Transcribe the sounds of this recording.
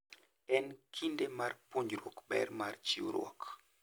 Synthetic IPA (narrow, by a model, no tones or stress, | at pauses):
ɛnkʰindemarpoɲd͡ʒɾɔkbɛ̰ɾmart͡ʃiwɾwɔ̰k